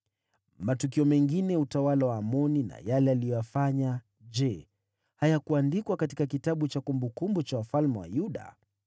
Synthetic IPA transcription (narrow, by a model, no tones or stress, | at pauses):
matukiɔmɛŋɡinɛutawalawaːmɔnina̰jalɛalijɔjafaɲa | d͡ʒɛ | hajakuandikwakatikakitaɓut͡ʃakumbukumbut͡ʃawafalmɛwa̰juɗa̰